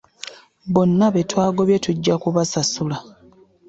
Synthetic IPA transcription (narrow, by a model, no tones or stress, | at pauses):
βo̞nːaβetwaːɡo̞βje̞tuɟːakuβasasula